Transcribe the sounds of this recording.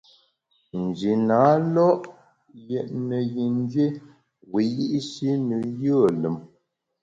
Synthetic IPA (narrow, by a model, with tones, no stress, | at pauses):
n̩˨d͡ʒi˨na˨˦lɔ˦ʔ | jɛ˨ʔnə˨ji˨n˦d͡ʒɥe˦ | wi˨˦ji˦ʔi˦si˦nə˨jə˦˨lə˨m